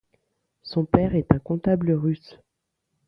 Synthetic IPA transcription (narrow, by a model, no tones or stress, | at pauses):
sɔ̃pɛʁɛt̪ɛ̃kɔ̃t̪abləʁys